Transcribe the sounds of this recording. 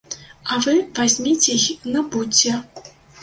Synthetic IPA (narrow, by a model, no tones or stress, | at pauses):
avɨvazʲmʲit͡sʲejnɐbut͡sʲːɛ